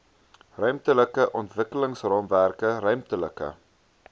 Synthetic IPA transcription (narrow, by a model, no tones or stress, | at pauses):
rœɥmtələkəʔɔntvəkələŋsrɑːmværkərœɥmtələkə̰